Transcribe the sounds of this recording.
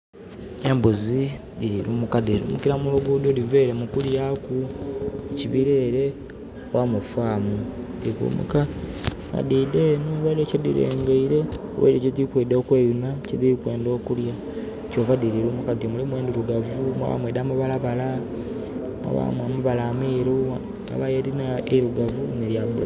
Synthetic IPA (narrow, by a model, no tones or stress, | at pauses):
embuzi | diɾiɾuːmukadiɾṵmukiɾamuluɡuːdodiveːɾemukuljakueciβiɾeːɾe̞ | wamufwaːmudikṵːmṵka | ŋa̰didenoβaɾecedḭɾḛːŋɡeiɾe̞o̰wḛdeciðikwedookweːjunaciðikwe̞ːndo̞ːkulja | coːvadiɾiɾuːmukatimulimweːndiɾuɡavumwa̰βa̰mweːdaːmaβalaβala | mwa̰βa̰mamuβalaːmiːɾu | a̰βajeɾinaeɾuɡavuneɾjabṵla